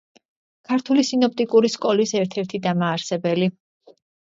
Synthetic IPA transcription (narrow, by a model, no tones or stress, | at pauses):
kʰaɾt̪ʰulisinɔp̚ʰt̪ʼikʼuɾiskʼɔlisɛɾt̪ʰɛɾt̪ʰid̪amaːɾsɛbɛli